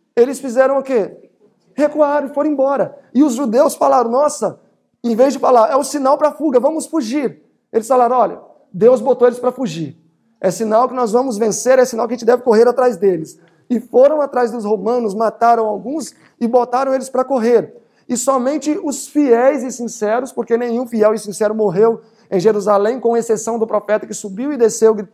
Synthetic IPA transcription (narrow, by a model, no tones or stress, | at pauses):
elɪsfizɛɾɐ̃w̃ʊke | hekuaɾɐ̃ɪfoɾ̃ẽbɔɾɐɪʊzʒud̪ewsfalaɾɐ̃w̃nɔsɐ | ẽvezd͡ʒɪfalaɾɛʊsinawpɾɐafuɡɐvɐ̃mʊsfuʒiɾ | elɪsfalaɾɐ̃ɔʎɐ̰ | d̪ewzbot̪oelɪspɾɐfuʒiɾ | ɛsinawkɪnɔzvɐ̃mʊzvẽseɾɛsinawkaʒẽt͡ʃɪd̪ɛvɪkoɦeɾat̪ɾajzd̪elɪs | ɪfoɾɐ̃w̃at̪ɾajzd̪ʊshomɐ̃nʊsmat̪aɾɐ̃w̃awɡũs | ɪbot̪aɾɐ̃w̃elɪspɾɐkoɦeɾ | ɪsɔmẽnt͡ʃɪʊsfiɛjzɪsĩsɛɾʊspoɾkenẽj̃ũfiɛwɪsĩsɛɾʊmoɦew | ẽj̃ʒeɾuzalẽj̃kõɐesesɐ̃w̃d̪ʊpɾofɛt̪ɐkɪsubiwɪd̪esewɡ